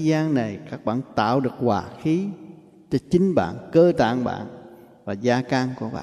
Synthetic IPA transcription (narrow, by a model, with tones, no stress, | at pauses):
zaː˧ŋna˨˩jkaː˦˥k̚ɓa̰ː˧˨nt̪a̰ː˧˨wɗɨ˨˩ək̚waː˨˩xi˨˦ | t͡ɕɔ˧t͡ɕï˨˦ŋɓa̰ː˧˨nkəː˧t̪a̰ː˧˨ŋɓa̰ː˧˨n | vaː˨˩zaː˧ka˧ŋku˧˩əɓa̰ː˧˨